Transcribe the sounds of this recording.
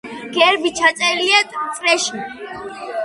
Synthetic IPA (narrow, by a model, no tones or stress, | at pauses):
ɡ̥ɛɾbit͡ʃʰasʼɛɾliɛt̪ʼsʼɾɛʃi